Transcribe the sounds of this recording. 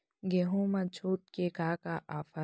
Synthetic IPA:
ɡeɦõmɐ̃t͡ʃʰoːt̪̚kekaːkaʔaːfɐ

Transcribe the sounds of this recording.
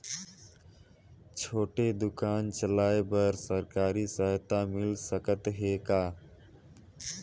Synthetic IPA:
t͡ʃʰoːʈed̪ʊkaːnt͡ʃəlaːebəɾsəɾkaːɾisəɦt̪amɪlsəkət̪ɦeːkaː

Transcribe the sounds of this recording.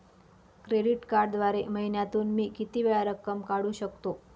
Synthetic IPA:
kɾeɽiʈkaɾɖd̪ʋaɾeməɦinjat̪uːnmiːkit̪iːʋeɭaɾəkːəmkaɽuːɕəkt̪o

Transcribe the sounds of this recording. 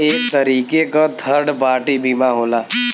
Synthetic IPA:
eːk̚t̪əɾiːkekad̪ʱəɾɖpaːʈibʱiːmaɦoːlaː

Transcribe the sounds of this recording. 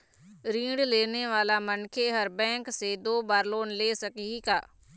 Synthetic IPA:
ɾĩːɽɖleːneːʋaːlaːmənkʰeːɦəɾbɛ̃ːŋkseːd̪oːbaːɾloːnleːsəkiɡaː

